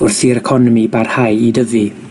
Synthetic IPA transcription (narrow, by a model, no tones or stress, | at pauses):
ʊrθiɾɛkʰɔnɔmibarhajidəvi